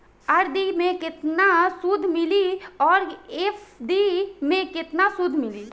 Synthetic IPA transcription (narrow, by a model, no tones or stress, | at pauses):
əɾd̪imẽkɪt̪nasʊd̪ʱmɪliɔːɾefɖ̪imẽkɪt̪nasʊd̪ʱmɪliː